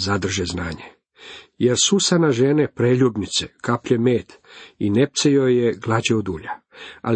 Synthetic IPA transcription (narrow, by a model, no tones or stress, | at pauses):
zad̪r̩ʒeznaːɲe | je̞ɾsusanaʒenepɾeːʎubnit̪sekapʎemeːt̪inep̚t̪sejojeɡlˠad͡ʑeod̪uːʎaa̰